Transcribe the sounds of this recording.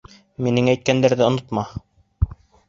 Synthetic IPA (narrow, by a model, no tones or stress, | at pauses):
minɘŋæjt̪̚kænd̪æɾðɘŏnŏt̪mɑ